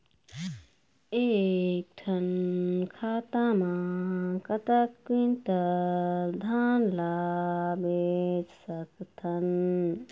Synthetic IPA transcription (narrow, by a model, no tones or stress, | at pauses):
ek̚t̪ʰənkʰat̪amakət̪əkːint̪ə | d̪ʱanlabed͡ʒsəkt̪ʰɐn